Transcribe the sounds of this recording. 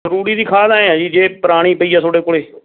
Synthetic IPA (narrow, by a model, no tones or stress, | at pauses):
əɾuːɽiːd̪iːkʰaːd̪aːeãːd͡ʒiːd͡ʒeːpəɾaːɽ̃iːpəiːaːsoːɖeːkoːɽeː